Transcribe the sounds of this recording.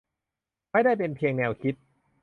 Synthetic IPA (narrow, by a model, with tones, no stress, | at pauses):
ma˥˩jda˥˩jpe˧npʰi˧əŋnɛː˧wkʰi˦˥t̪̚